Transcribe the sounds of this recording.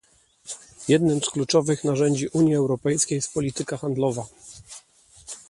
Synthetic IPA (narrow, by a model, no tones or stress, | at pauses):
jɛd̪nɘmsklut͡ʂɔvɘxnaʐɛɲd͡ʑiʔuɲjiɛwɾɔpɛjskʲejst̪̚pɔlʲit̪ɘkaxand̪lɔva